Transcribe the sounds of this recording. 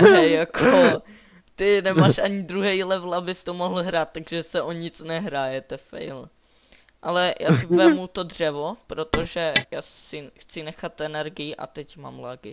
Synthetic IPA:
ɛjakʰo | t̪ɪnɛmaːʃʔaɲɪd̪ɾuɦɛjlɛvlabɪst̪omoɦl̩ɦɾaːt̪ːaɡʒɛsɛʔoɲɪt͡snɛɦɾaːjɛt̪ɛfɛ̰jl | ʔalɛjʔa̰ːsɪvɛmut̪odr̝̥ɛvo̞pɾo̞t̪o̞ʒɛjaːsɪxt͡sɪnɛxat̪ʔɛnɛɾɡɪjɪʔa̰t̪ɛcma̰ːmlaɡɪ

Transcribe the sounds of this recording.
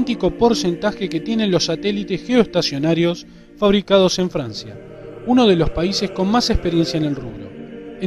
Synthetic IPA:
nt̪iko̞po̞ɾse̞nt̪axeket̪je̞nenlo̞sːat̪elit̪esxeoest̪asjo̞naɾjos | faβɾikað̞o̞se̞ɱfɾansja̰ | uno̞ð̞e̞lo̞spaise̞sko̞nmasehpeɾje̞nsjaene̞lruɣɾo̰e

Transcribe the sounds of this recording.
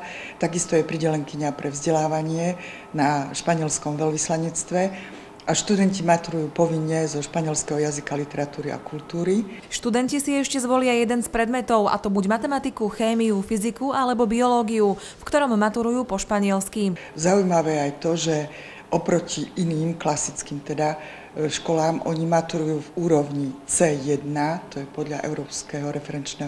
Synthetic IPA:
t̪aɡist̪ɔjɛpɾiɟɛlɛŋkiɲapɾɛvzɟɛlaːʋaɲɪɛ | naʃpaɲɪɛlskɔmʋɛlʋislaɲɛt͡st̪ʋɛ | ʔaʃt̪ud̪ɛncimat̪uɾujuːpɔʋiɲːɛzɔʃpaɲɪɛlskɛɦɔjazikalit̪ɛɾat̪uːɾia̰kult̪uːɾiʃt̪ud̪ɛncisiɛʃcɛzʋɔlɪajɛd̪ɛnspɾɛd̪mɛt̪ɔʊʔa̰t̪ɔbuɟmat̪ɛmat̪ikuxɛːmiufizikualɛbɔbiɔlɔːɡiu | fkt̪ɔɾɔmːat̪uɾujuːpɔʃpaɲɪɛlski | zaujmaʋɛːajt̪ɔʒɛ | ʔɔpɾɔciʔiniːmklasit͡skiːmt̪ɛd̪a | ʃkɔlaːmʔɔ̰ɲimat̪uɾujuːvuːɾɔʊɲit͡sɛːjɛd̪nat̪ɔjɛpɔd̪ʎaʔɛ̰ʊɾɔːpskɛɦɔɾɛfɛɾɛnt͡ʃnɛːɦ

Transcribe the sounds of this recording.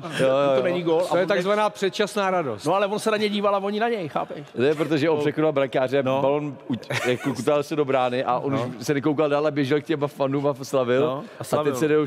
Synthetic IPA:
jojojonɛɲiːɡolaojɛtt̪aɡzvanaːpr̥ɛt̪̚t͡ʃasnaːɾadosnoalɛvonsɛnaɲɛɟiːvalavoɲɪnaɲɛjxa̰ːpɛʃt̪ojɛpɾot̪̬oʒɛopsɛxodalbɾakaːrɛbalonuakːokut̪ovalsɛdobɾaːnɪʔaʔonuʃsɛnɛkowkaldaːlabjɛʒɛlkcɛmafanumaslavɪlaɛsɛdɛjo

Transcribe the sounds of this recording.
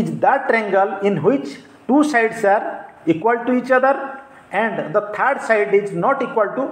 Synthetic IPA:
id͡ʒd̪ɛʈɾɛ̃ŋɡəlɪ̃nɦwɪt͡ʃ | ʈuːsaɪɖsaːɾ | ikwəlʈuiːt͡ʃʌd̪əɾ | ɛ̃ɳɖd̪ət̪ʰəɾɖsaɪɖɪznɔʈikwəlʈu

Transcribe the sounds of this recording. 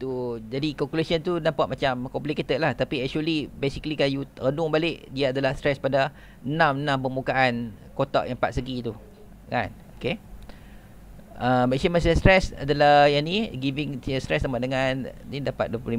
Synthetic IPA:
t̪ud͡ʒadikalkulasənt̪unampaʔ̪̚mat͡ʃamkɔmpliket̪əʔlaht̪apiɛk̚ʃuəlibesiklikanjuɾənʊŋbalɪʔdiaadalahstɾɛspada | nãmnãmpəmbukaʔan | kot̪ɔ̰ʔjʔãŋpa̰t̪̚səɡit̪u | ka̰n | oke | abɛksənməsəstɾɛsa̰dalahjaniɡiviŋt̪iəst̪ɾɛsnapaʔ̚dəŋãnnidapat̪̚duəpluli

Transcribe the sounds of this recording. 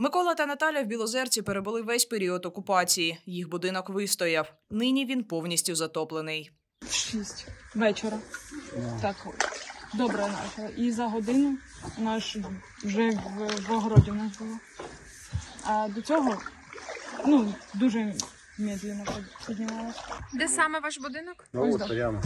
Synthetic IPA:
mɪkɔlˠɐt̪ɐnɐt̪ɑlʲɐwbʲilˠɔzɛrt͡sʲipeɾebʊlˠɪʋɛsʲpeɾʲiɔd̪ɔkʊpɑt͡sʲijijixbʊd̪ɪnɔkʋɪst̪ɔjɐw | nɪnʲiʋʲinpɔwnʲisʲtʲʊzɐt̪ɔplˠenɪj | ʃisʲtʲʋɛt͡ʃeɾɐ | t̪ɑk | d̪ɔbɾɛnɑ̰t͡ʃɐlˠɐʔizɐɦɔd̪ɪnʊ | nɑʃ | wʒɛʋʋɔɦɔɾɔdʲinɑzbʊlˠɔ | ɐd̪ɔt͡sʲɔɦɔ | nud̪uʒɛ | mʲɛd̪lʲɪnɔppʲidʲnʲimɑlˠesʲɐ̥d̪ɛsɑmɛʋɑʃbʊd̪ɪnɔk̪

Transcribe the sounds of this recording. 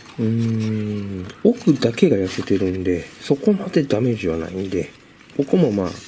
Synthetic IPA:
ɯ̟̃ː | o̞kɯ̟d̪ake̞ɡajase̞t̪e̞ɾɯ̟̃nd̪e̞so̞ko̞mad̪e̞d̪ame̞ʑiβana̰ĩnd̪e̞ | ko̞ko̞mo̞ma̰ː

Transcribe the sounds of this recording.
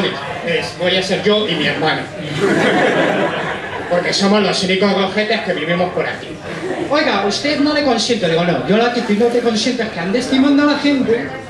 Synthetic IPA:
li | esbo̞jase̞ɾʝo̞ʔimieɾmãno | po̞ɾke̞so̞mozlosunikozɣɾofet̪ehke̞βiɾβimo̞hpo̞ɾa̰ki | ojɣaust̪e̞ðnolekwansjent̪oðiɣonoʝo̞lakit̪inot̪ekwonsent̪ehkeand̪est̪imãnd̪oalaxe̞nt̪e

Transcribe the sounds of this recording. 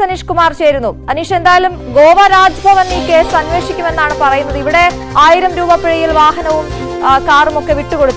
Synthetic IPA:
ɐniʂkumaːrt͡ɕe̞ːɾunːuɐniʂe̞nd̪aːjɐlumɡo̞ːʋɐɾaːd͡ʑɐbʱɐʋɐnike̞ːsɐnʋe̞ːʂikʲːume̞nːaːɳɨpɐrɐjunːɐðɨiʋiɽe̞ | aːjiɾɐmɾuːbɐpːiɻijilʋaːɦɐnɐʋum | kaːrumo̞kːe̞ʋiʈːuko̞ɽut̪ː

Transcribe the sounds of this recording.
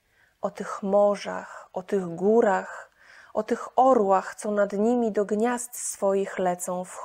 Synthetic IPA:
ʔɔt̪ɘxmɔʐa̰xʔɔt̪ɘɣɡuɾax | ʔɔt̪ɘxɔɾwaxt̪sɔnad̪ɲimʲid̪ɔɡɲast̪sfɔjixlɛt̪sɔ̃w̃fx

